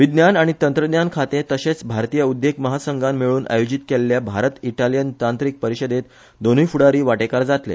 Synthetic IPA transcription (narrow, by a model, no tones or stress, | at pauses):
ʋid̪njanaɽ̃it̪ənt̪ɾəd̪jankʰat̪ẽt̪əɕet͡sbʱaɾt̪iːjəud̪jekməɦasəŋɡamːiɭuːnʔa̰jod͡ʑit̪kelːjabʱaɾət̪iʈaljənt̪ãnt̪ɾik̚pəɾiɕəd̪et̪ | d̪onujfuɽaɾiːʋaʈekaɾd͡zat̪lḛ